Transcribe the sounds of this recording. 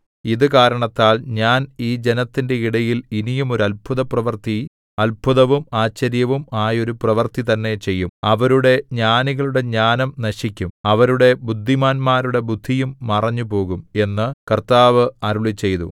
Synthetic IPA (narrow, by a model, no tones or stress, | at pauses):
iðɨkaːɾɐɳɐt̪ːaːlɲaːniːd͡ʑe̞nɐt̪ːinde̞iɽɐjilinijumo̞ɾuɐlpʰuðɐprɐʋɐrt̪i | ɐlpʰuðɐʋumaːt͡ɕːɐɾjɐʋumaːjo̞ɾuprɐʋɐrt̪it̪ɐnːe̞t͡ɕe̞jːumɐʋɐɾuɽe̞ɲaːniɣɐɭuɽe̞ɲaːnɐmnɐɕikʲːumɐʋɐɾuɽe̞bud̪ʱːimaːnmaːɾuɽe̞bud̪ʱːijumːɐrɐɲːupo̞ːɣume̞nːɨkɐrt̪aːʋɨɐɾuɭit͡ɕːe̞jt̪ṵ